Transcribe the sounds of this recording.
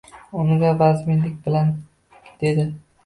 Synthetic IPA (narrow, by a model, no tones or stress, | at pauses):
ʊnɪɡ̪abazɪmenlɪkʲbɪlan | d̪̥e̞d̪ɪ